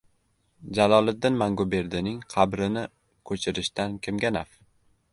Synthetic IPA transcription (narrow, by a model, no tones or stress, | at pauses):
d͡ʒalɒlˠɪd̪ːɪnmaŋɡobe̞ɾd̪ɪnɪŋqʰɑbɾɪnɪ | kʰɵt͡ʃʰɪɾɪʃt̪ankʲʰɪmɡʲanaf